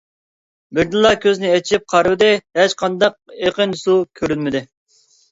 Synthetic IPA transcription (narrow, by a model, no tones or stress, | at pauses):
bɪɾd̪ɨlˠːɑkʲʰøzɪnɪɛt͡ʃʰɪp̚qʰɑɾvɨd̪ɪhæt͡ʃqʰɑnd̪ɑq̚eqənsukʲʰøɾynmɪd̪ɪ